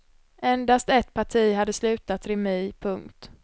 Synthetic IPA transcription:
ʔɛnd̪ast̪ɛt̪pʰaʈʰiːɦad̪ːəslʉ̟ːt̪at̪ɾɪmiːpʰɵŋkt̪

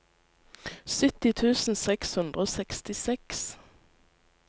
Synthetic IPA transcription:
sʏt̪ɪt̪ʰʉːsn̩sɛkshʉnd̪ʁəoːsɛkst̪ɪsɛks

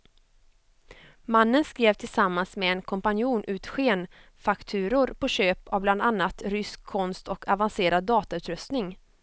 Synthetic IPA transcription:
manːənskɾeːvt̪ʰɪlsamːansmeɛnkʰɔmpanjuːnʔʉ̟ːt̪ɧeːn | fakt̪ʰʉ̟ːɾʊɾpʰɔɕøːpavbland̪anːat̪ɾʏskʰːɔnst̪ʰɔkʰavanseːɾad̪ːɑːt̪aʉ̟ːt̪ɾɵst̪nɪŋ

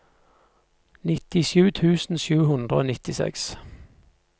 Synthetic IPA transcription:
nɪt̪ɪʃʉːt̪ʰʉːsn̩ʃʉːhʉnd̪ʁəo̰ːnɪt̪ɪsɛ̰ks

